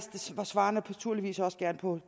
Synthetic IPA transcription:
sd̥eʋɑsʋɑ̈ːnəpʰɒt͡sʰuɐ̰liʋḭːsɒ̽sɡ̥æɐnpʰɒ̽

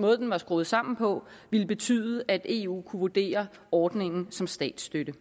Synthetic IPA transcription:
mɔ̽ːð̞̩ˠd̥enʋɑ̈sɡ̥ʁoːð̩ˠsɑ̈m̰n̩pʰɒ̽ʋiləb̥e̝t͡sʰy̰ːðˠʔæd̥e̝ṵːkʰuʋud̥e̝̰ːɐ | ɒːd̥ne̝ŋn̩sɒ̽msd̥ɛ̰ːd̥sd̥ød̥ə

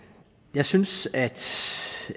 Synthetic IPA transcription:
jɑ̈ɪsynsæd̥

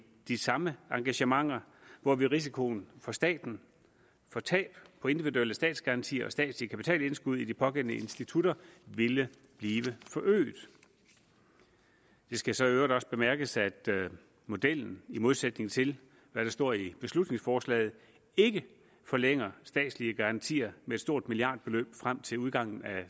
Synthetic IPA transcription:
d̥isɑ̈məɑ̈ŋɡ̥æɕəmɑ̈ŋ̰ɐʋɒʋiʁis̬ikʰo̝ːnfɒ̽sd̥ɛ̰ːd̥n̩ | fɒ̽t͡sʰɛ̰ːb̥pʰɒ̽e̝nd̥iʋiðueləsd̥ɛ̰ːd̥sɡ̥ɑ̈ʁɑ̈nt͡sʰḭːɐɒ̽sd̥ɛ̰ːd̥slikʰæpi̥t͡sʰɛ̰ːle̝nsɡ̥uð̞ˠid̥ipʰɒ̽ɡ̥en̰nəe̝nsd̥it͡sʰuɾ̥ɐʋe̝lə | b̥liːʋəfɒ̽ʔø̰ːd̥ | d̥e̝sɡ̥æsɒ̽iøʊʁɐd̥ɒ̽sb̥e̝mæɐɡ̥əsæd̥ | mo̝d̥el̰n̩imo̝ð̞ˠsed̥ne̝ŋ̩t͡sʰe̝l | ʋæɾ̥ɑ̈sd̥ɔ̝ɐ̰ib̥e̝slud̥ne̝ŋsfɒːslɛ̰ːɪð̞̩ˠ | e̝ɡ̥ə | fɒ̽leŋ̰ɐsd̥ɛ̰ːd̥sliəɡ̥ɑ̈ʁɑ̈nt͡sʰḭːɐmeed̥sd̥o̝ɐ̰d̥miliɑ̈ːd̥̚b̥e̝lø̰ːb̥fʁam̰t͡sʰe̝luð̞ˠɡ̥ɑ̈ŋ̰n̩æ

